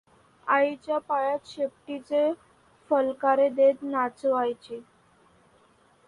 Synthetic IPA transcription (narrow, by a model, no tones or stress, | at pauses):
ait͡ɕjapaɭat̪ɕep̚ʈit͡se | fəlkaɾed̪et̪nat͡səʋajt͡ɕiː